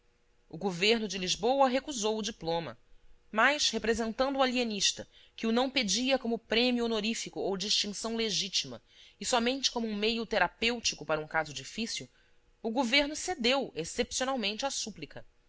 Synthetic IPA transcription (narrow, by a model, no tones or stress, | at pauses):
ʊɡoveɾnʊd͡ʒɪliʒbowɐɦekuzowʊd͡ʒiplõmɐ̰majʃhepɾezẽnt̪ɐ̃nd̪ʊualieniʃt̪ɐ | kɪʊnɐ̃w̃ped͡ʒiɐkõmʊpɾẽmjʊonoɾifikʊowd͡ʒiʃt͡ʃĩsɐ̃w̃leʒit͡ʃimɐ̰ | ɪsɔmẽnt͡ʃɪ̥kõmʊũmejʊt̪eɾapewt͡ʃikʊpaɾɐũkazʊd͡ʒifisiuw | ʊɡoveɾnʊsed̪ewesepsionawmẽnt͡ʃɪasuplikɐ